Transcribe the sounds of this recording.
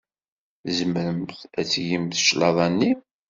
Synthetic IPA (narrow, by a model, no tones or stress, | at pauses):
zəmɾəmθæt͡sːjimθʃlɑðˤɑnːi